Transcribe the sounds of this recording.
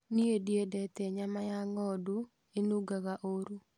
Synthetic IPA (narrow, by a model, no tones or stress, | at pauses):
niedjedɛt̪eɲamajaŋɔdu | enuɡaɡaʔoɾu